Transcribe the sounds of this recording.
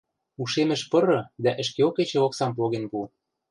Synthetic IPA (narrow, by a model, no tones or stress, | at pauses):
uʃemɘ̆ʃpɤ̆ɾɤ̆d̪æʔɘ̆ʃkeoket͡ɕĕoksɑmpoɣenpu